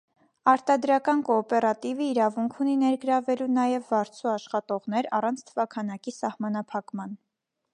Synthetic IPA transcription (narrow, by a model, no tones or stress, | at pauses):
ɑɾt̪ɑd̪ɾɑkɑnkɔːpɛɾɑt̪ivəiɾɑvuŋkʰuninɛɾɡəɾɑvɛlunɑjɛvːɑɾt͡sʰuɑʃχɑt̪ɔʁnɛɾɑ̰rɑnt͡sʰt̪ʰəvɑkʰɑnɑkisɑhmɑnɑpʰɑkmɑn